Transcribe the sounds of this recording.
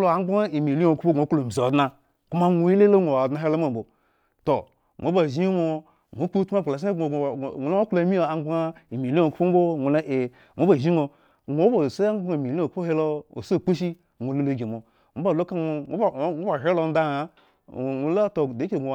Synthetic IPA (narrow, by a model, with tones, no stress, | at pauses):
lo˨a˨˦a˦i˨mi˨li˦o˨ku˦po˦ɡʷo˨˦klo˨m˨zo˨dna˨ | ku˦ma˦ŋʷo˨i˦le˦lo˦ŋʷo˨wa˨dna˨˦ɦe˦lo˦m˦o˦˨m˨bo˨ | to˨ | ŋʔo˨˦ba˨ʒi˦o˦mo˦ | ŋʷo˨˦k͡pu˦tu˦ma˦˨k͡pla˨sŋʷ˨lo˦la˨˦mi˦o˨a˨˦ɡ͡bŋa˦i˨mi˨li˦o˨ku˦po˦m˦bo˦ŋʷo˨la˦ʔe˨ | ŋʷ˨o˦ba˨ʒi˦ŋo˨ | ŋʷ˨o˨˦bo˨se˦a˦a˨mi˨li˦o˨ku˦po˦he˦lo˦o̰˨so˦˨k͡pu˦ʃi˦ | ŋʷo˨le˦lo˨ɡe˨mo˨ | ŋʷo˨˦ba˨lo˦ka˦o˨˦˨ŋo˦ba˨ɦe˦lo˨n˦da˦˨a˨ | o˨˦la˦to˨de˦e˨ɡʷo˨